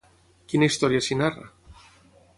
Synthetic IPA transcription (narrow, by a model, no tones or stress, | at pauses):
kinaist̪oɾjasinara̰